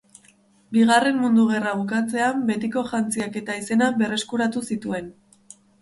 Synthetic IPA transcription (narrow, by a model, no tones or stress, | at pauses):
biɣ̞are̞mmund̪uɣ̞e̞raβukat͡se̞ambe̞t̪iko̞ʝant͡siake̞t̪aise̞nabe̞re̞skuɾat̪usit̪ue̞n